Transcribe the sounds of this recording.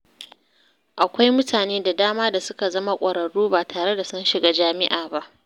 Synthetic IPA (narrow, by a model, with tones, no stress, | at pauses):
ʔa˨kʷa˦jmʊ˦tʰaː˨neː˦da˨daː˦maː˦da˨sʊ˦ka˨zɐ˦ma˦kʷʼɐ˨ɽɐ˨ɽuː˦baː˨tʰaː˨ɽe˦da˨sʊ˦nʃɪ˨ɡa˦d͡ʒaː˦mɪ˦ʔaː˨ba˦ʔ